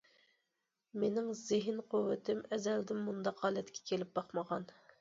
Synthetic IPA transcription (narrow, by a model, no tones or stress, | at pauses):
menɪŋzɪɦɪnqʰuwːɪt̪ʰɪmɛzɛld̪ɪmːund̪ɑqːɑːlˠɛt̪kʲʰɛ̥kʲʰelɪp̚bɑqməʁɑn